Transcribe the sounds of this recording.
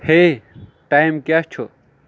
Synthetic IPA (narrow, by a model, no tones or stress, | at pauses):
he | ʈaːjmkjast͡ʃʰo